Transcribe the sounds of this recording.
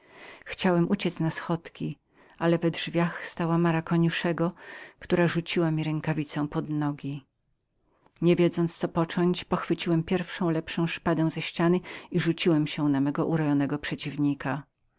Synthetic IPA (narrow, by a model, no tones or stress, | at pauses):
xt͡ɕawɛmʔut͡ɕɛt̪snasxɔt̪kʲi | alɛvɛdʐvʲjaxst̪awamaɾakɔɲuʂɛɡɔkt̪uɾaʐut͡ɕiwamʲiɾɛŋkavʲit̪sɔ̃w̃pɔd̪nɔɡʲi | ɲɛvʲjɛd̪zɔnt̪st̪ɔpɔt͡ʂɔɲt͡ɕpɔxfɘt͡ɕiwɛmpʲjɛɾfʂɔ̃w̃lɛpʂɔ̃w̃ʂpad̪ɛ̃w̃zɛɕt͡ɕanɘiʐut͡ɕiwɛmɕɛ̃namɛɡɔʔuɾɔjɔnɛɡɔpʂɛt͡ɕivɲika